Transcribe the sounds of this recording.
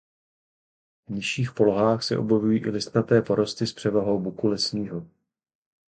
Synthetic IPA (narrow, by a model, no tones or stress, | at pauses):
vɲɪʃiːxpo̞loɦaːxsɛ̰ʔobjɛvujiːʔɪlɪst̪nat̪ɛːpo̞ɾo̞st̪ɪspr̝̥ɛvaɦo̞wbukulɛsɲiːɦo